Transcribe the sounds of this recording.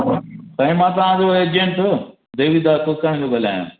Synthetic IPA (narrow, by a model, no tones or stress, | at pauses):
t̪ɐ̃ɦĩmãːt̪ɐʋ̤ãːd͡ʑoeːd͡ʑẽɳʈo | d̪eːʋid̪aːkokaɽ̃ĩloːbɐla̰ːjõ̰ː